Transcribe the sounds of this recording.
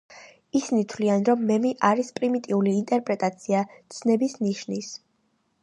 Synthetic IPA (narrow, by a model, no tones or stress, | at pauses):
isinit̪ʰwlianɾɔmːɛmiʔaɾispʼɾimit̪ʼiuliːnt̪ʼɛɾpʼɾɛt̪ʼat̪sʰiat̪sʰnɛbisniʃnis